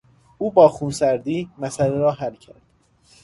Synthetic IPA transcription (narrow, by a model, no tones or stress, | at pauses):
ʔuːbɒːxunsæɾd̪iːmæsæleɾɒːɦælcʰæ̰ɾd̪̥